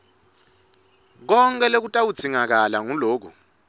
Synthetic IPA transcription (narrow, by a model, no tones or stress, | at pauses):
k̬ɔŋkʼɛlek̬utʼawu̥t͡sʰiŋak̬alaŋuloːk̬ṵ